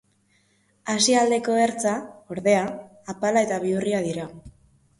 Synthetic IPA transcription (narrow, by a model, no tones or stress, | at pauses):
asiald̪e̞ko̞e̞ɾt͡sao̞ɾðe̞aː | palae̞t̪aβ̞iuriað̞iɾa